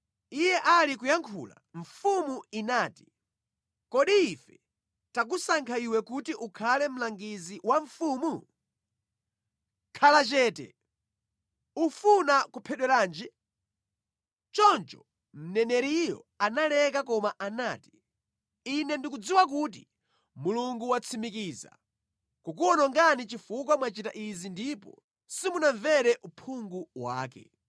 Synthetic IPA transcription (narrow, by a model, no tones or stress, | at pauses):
ijɛʔalikujaŋkʰṵːla̰ɱ̩fumuinaːti̥ | kɔɗiːfɛ | tak̬usaŋkʰaiwɛkutiʔukʰalɛm̩laŋɡiziwaɱfuːmu | kʰalat͡ʃɛːtɛ̰ | ufunakupʰɛɗwɛɾaːnd͡ʒɛ | t͡ʃɔnt͡ʃɔ | m̩nɛnɛɾijɔ̰analɛkakɔmaʔanaːti̥ | inɛndik̬ud͡ziwak̬uːt̬i | muluŋɡuwat͡sʰimik̬iːza̰ | kukuɔnɔŋɡanit͡ʃifuk̬wamwat͡ʃitaʔizindipɔ̰ | simunaɱvɛɾɛʔupʰuŋɡuwa̰ːkɛ̰